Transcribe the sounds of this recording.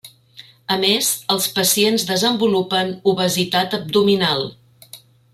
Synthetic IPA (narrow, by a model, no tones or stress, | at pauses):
əmezəlˠspəsienzðəzəmbulupənuβəzit̪at̪əb̚d̪uminalˠ